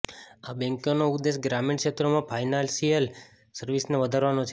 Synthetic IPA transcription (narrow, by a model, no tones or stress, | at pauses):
abɛ̃ŋkjonoud̪ːesɡɾamiɳʃet̪ɾomãpʰajnalsijəl | səɾʋisneʋəd̪ʱaɾʋanot͡ʃʰe